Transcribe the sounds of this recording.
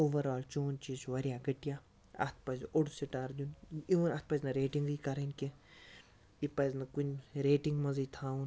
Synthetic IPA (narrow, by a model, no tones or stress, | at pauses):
oːʋɐɾaːlt͡ʃoːnt͡ʃisʋɐɾijaːɡɐʈija | ɐ̰t̪̚ʰpɐzoɽusiʈaːɾd̪ʲjuniʋɐnɐt̪̚pɐznɐɾeːʈiŋɡikɐɾɐnkʲe | ipɐznɐkunɾeːʈiŋɡmɐzijt̪ʰaːun